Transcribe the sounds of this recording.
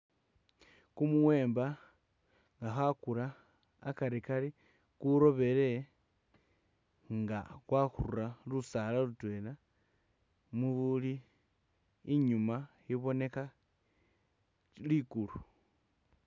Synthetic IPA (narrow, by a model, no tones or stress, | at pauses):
kumuwe̞ːmba | ŋɡaxakuɾaː | kaɾikali | kuɾo̞βe̞le̞ | ŋɡa̰kwaxururalusalalutwe̞la | muβuli | ɲuma | iβo̞ne̞ka | likulu